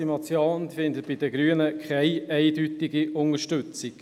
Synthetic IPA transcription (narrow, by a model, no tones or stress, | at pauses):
imɑt͡sjoːnfɪndət̚b̥ɪdəɡɾyːənəkʰɛɪɛɪdytiɡiʔʊnəʃtʏt͡siɡ̥